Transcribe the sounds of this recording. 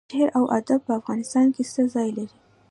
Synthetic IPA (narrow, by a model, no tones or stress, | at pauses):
ɪɾawʔa̰d̪ab̚pəafɣɑnɪst̪ɑnkesəzɑjlaɾi